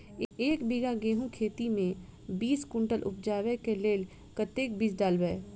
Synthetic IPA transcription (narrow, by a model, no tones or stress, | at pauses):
eːkbiɡaɡeːɦũkʰeːt̪imẽbiːskʊ̃ɳʈəlʔʊ̰p̚d͡ʒaːʋekeleːl | kət̪eːk̚biːsɖaːlbeː